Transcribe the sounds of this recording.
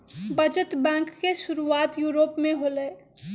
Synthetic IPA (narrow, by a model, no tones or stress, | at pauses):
bəd͡ʒət̪bɛ̃ːŋkːeʃʊɾuaːt̪juːɾoːpmẽɦoləː